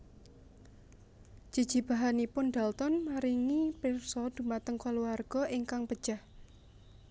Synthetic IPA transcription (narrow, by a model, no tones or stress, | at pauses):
ʒ̥i̤d̥ʒ̥i̤b̥a̤ɦanipʊnd̪̥alt̪ɔnmaɾiŋipirsɔd̪̥ṳmat̪əŋkɔluarɡ̥ɔʔiŋkaŋpəd̥ʒ̥ah